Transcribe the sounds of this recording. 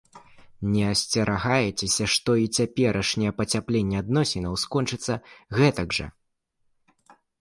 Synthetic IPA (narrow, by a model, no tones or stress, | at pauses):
nʲɛɐsʲt͡sʲɐɾʔaɣajɛt͡sʲɛsʲɐʂt̪ɔit͡sʲapʲɛɾʔɐʂnʲɛɛpɐt͡sʲaplʲenʲːɛad̪nɔsʲɛnɐwskɔnt͡ʂɨt̪sːɐɣɛt̪ɐɡʐɐ̰